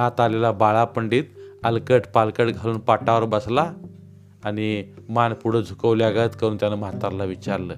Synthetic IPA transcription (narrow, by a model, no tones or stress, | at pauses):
ɦat̪alelabaɭapəɳɖiːt̪əlkəʈpalkəɽɡʱaluːnpaʈaʋəɾbəslaː | ñimanpuɽ̤əd͡zʱukəʋliaɡət̪kəɾuːnt̪janəmat̪aɾlaʋit͡ɕaɾləː